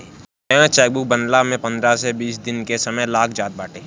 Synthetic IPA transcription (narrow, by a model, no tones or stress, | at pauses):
ɛ̃t͡ʃɛːk̚bʊk̚bənlamẽpɐ̃nd̪ɾasebiːsd̪ɪnkesɐməjlaːkʰd͡ʒaːt̪̚baːʈeː